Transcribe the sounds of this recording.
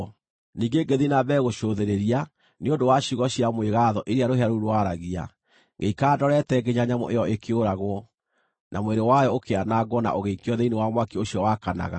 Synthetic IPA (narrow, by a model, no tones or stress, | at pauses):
niːɡeɡeðinaβɛːɣoʃoðeɾeɾia | neondowaɕiɣɔɕjamweɣaðɔʔeɾeaɾoɦeaɾuɾwaɾaɣia̰ | ŋɡeikaːdɔɾɛtɛɡeɲaɲamɔ̰ʔejɔʔekʰeoɾaɣwɔ | nʔamweɾewajɔokeanaːɡwɔna̰ʔoɣeikeɔðeinewamwakeoɕiɔwakana̰ɣa̰